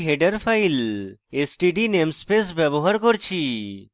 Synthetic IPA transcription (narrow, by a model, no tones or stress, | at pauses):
ɦeɖəɾpʰajlesʈiɖinemspesbɛboɦaɾkɔɾt͡ɕʰi